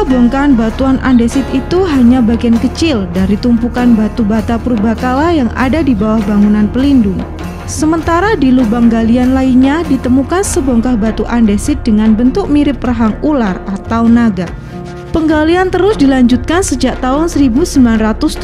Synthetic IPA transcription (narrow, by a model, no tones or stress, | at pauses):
bɔŋkanbat̪uanʔa̰ndesɪt̪̚it̪uɦaɲabaɡiankət͡ʃɪldaɾit̪umpukanbat̪ubat̪apəɾubakalajaŋa̰dadibawahbaŋunanpəlindʊŋ | səmənt̪aɾadilubaŋɡalianlaiɲadit̪əmukansəbɔŋkahbat̪uʔandesɪt̪̚dəŋanbənt̪ʊk̚miɾɪp̚raɦaŋularat̪awnaɡa | pəŋɡaliant̪əɾʊsdilaɲd͡ʒut̪̚kansəd͡ʒaʔ̚t̪aɦʊnsəɾibusəmbilanrat̪ʊs